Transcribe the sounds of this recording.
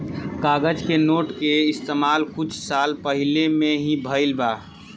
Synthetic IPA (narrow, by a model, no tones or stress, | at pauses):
kaːɡəd͡ʒkenoːʈkeɪst̪eːmaːlkʊt͡ʃʰsaːlpəɦɪlemẽɦĩbʱəɪlbaː